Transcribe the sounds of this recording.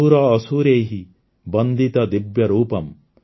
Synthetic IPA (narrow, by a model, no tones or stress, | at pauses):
uɾɐːsuːɾeːɦi | bɐnd̪ʱit̪ɐd̪ibjɐɾuːpɐm